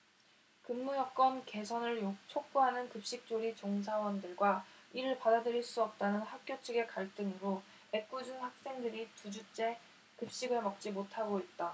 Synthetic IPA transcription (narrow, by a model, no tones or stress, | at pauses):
kɯmːujʌk̚k͈ʌnke̞sʰʌnɯɭjot͡ɕʰok̚p͈oɦanɯnkɯp̚ɕ͈ik̚t͡ɕ͈oɾit͡ɕoŋs̬ʰawʌndɯɭɡwaiɾɯɭpadadɯɾiɭs͈uʌp̚t͈anɯnɸak̚k͈jot͡ɕʰɯɡe̞kaɭt͈ɯŋɯɾo | e̞k͈ud͡ʑunhak̚s͈e̞ŋdɯɾitud͡ʑut͡ɕ͈e̞ | kɯp̚ɕ͈iɡɯɭmʌk̚t͡ɕ͈imotʰaɡoit̚t͈a